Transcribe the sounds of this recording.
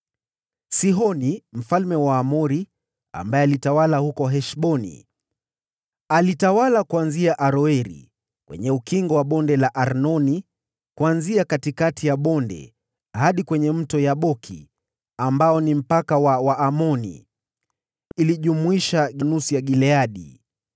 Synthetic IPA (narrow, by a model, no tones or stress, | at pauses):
siɦɔnim̩falmɛwaːmɔɾi | a̰mbaɛalitawalahukɔɦɛʃɓɔnḭ | alitawalakuanziaʔaɾɔɛɾḭ | kwɛ̰ɲɛukiŋɡɔwaɓɔndɛlaʔaɾnɔni | kuanziakatikatijaɓɔndɛ̰ | haɗikwɛɲɛm̩tɔjaɓɔkʰḭ | ambaɔnim̩pakawawaːmɔnḭ | iliʄumuiʃaɠanusijaɡilɛaɗḭ